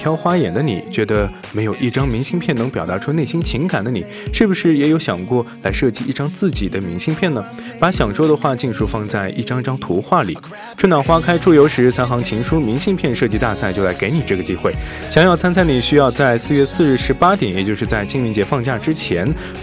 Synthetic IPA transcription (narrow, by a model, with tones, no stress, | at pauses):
t̪ʰjɑ˥ʊxwa˥jɛ˨˩nd̪ə˦nḭ˨˩t͡ɕɥɛ˧˥d̪ə˧ | me˧˥ɪjo˨˩ʊʔi˥˩ʈ͡ʂɑ˥ŋmi˧˥ŋɕi˥˧ŋpʰjɛ˥˩nɤ˧˥ŋpjɑ˨˩ʊt̪a˧˥ʈ͡ʂʰu˥ne˥˩ɪɕi˥nt͡ɕʰi˧˥ŋka˨˩nd̪ə˦ni˨˩ | ʂɻ̩˥˩bu˩ʂɻ̩˥˩jɛ˧˥jo˧˥ʊɕjɑ˨˩ŋkwɔ˥˩la˧˥ɪʂɤ˥˩t͡ɕi˧˥i˥˩ʈ͡ʂɑ˥ŋt͡sɹ̩˥˩t͡ɕi˨˩d̪ə˦mi˧˥ŋɕi˥˧ŋpʰjɛ˥˩nə˩ | pa˧˥ɕjɑ˨˩ŋʂwɔ˥d̪ə˨xwa˥˧t͡ɕi˥˧nʂu˥fɑ˥˧ŋt͡sa˥˧ɪʔḭ˥˩ʈ͡ʂɑ˥ŋi˥˧ʈ͡ʂɑ˥ŋt̪ʰu˧˥xwa˥˩lḭ˨˩˦ | ʈ͡ʂʰə˥nɑ˨˩xwa˥kʰa˥ɪʈ͡ʂʰu˥˩jo˧˥ʊʂɻ̩˧˥t͡sʰa˧˥nxɑ˧˥ŋt͡ɕʰi˧˥ŋʂu˥mi˧˥ŋɕi˥˧ŋpʰjɛ˥˧nʂɤ˥˧t͡ɕi˧˥t̪a˥˧t͡sʰa˥˩ɪt͡ɕjo˥˩ʊla˧˥ɪke˧˥ɪni˨˩ʈ͡ʂɤ˥˩ɡə˩t͡ɕi˥xwe˥˩ɪ | ɕjɑ˨˩ŋjɑ˥˩ʊt͡sʰa˥nt͡sʰa˥ɪni˨˩ɕy˥jɑ˥˧ʊt͡sa˥˧ɪsɹ̩˥˧ɥɛ˥˧sɹ̩˥˧ɻ̩˥˩ʂɻ̩˧˥pa˥t̪jɛ˨˩˦njɛ˨˩t͡ɕjo˥˧ʊʂɻ̩˥˧t͡sa˥˧ɪt͡ɕi˥˧ŋmi˧˥ŋt͡ɕjɛ˧˥fɑ˥˧ŋt͡ɕja˥˩ʈ͡ʂɻ̩˥t͡ɕʰjɛ˧˥n